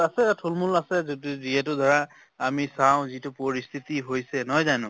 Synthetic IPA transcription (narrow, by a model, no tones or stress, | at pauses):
asɛtʰulmulasɛzotuziɛt̬ʊdʱɔɹa | amisaw̃zitʊpoɹist̪ʰitiɦojsɛnɔjzanʊ̃